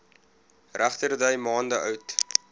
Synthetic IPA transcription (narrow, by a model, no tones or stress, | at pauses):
ræχtərdəjmɑːndəʔœɥt